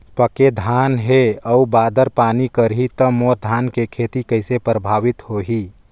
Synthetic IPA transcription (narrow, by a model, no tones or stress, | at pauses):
pəked̪ʱaːnɦeəubaːd̪əɾpaːnikəɾɦit̪əmoɾd̪ʱaːnkekʰet̪ikəɪsepɾəbʱaːʋɪt̪hoːɦi